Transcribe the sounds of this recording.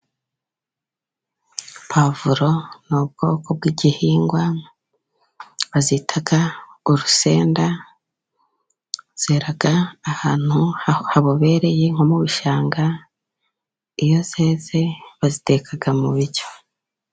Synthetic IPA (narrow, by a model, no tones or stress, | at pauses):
pʰavuɾo̞nub̚ɡ̥o̞̰ːko̞b̚ɡiɟihiːŋɡwa | βaziːtʰaɡauɾuse̞ːnda | z̥eɾaɡaːhaːn̥huhaβoβe̞ːɾe̞je̞ŋ̥omuβuʃaːŋɡa | ijo̞zeːze̞βazite̞kʰaɡamuβiɾɟo̥